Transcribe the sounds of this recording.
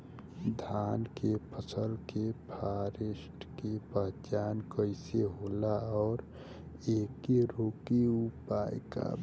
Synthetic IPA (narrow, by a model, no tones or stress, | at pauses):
d̪ʱaːnkepʰəsəlkepʰaːɾesʈkepəɦt͡ʃaːnkəɪseɦoːlaɔːɾ | eːkiɾoːkiupaːjka̰